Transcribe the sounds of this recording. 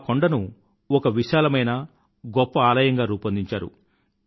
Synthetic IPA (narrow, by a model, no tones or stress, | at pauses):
koɳɖɐnu | ɔkɐʋiʃaːlɐmɐjnɐ | ɡɔpːɐaːlɐjɐŋɡaːɾuːpɐnd̪iɲt͡ʃa̰ːɾṵ